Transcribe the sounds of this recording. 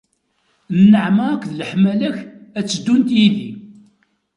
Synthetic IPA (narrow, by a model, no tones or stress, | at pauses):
nːəʕməʁækʷːðələħmælæçæt͡sːəd̪ːunt̪jiðḭ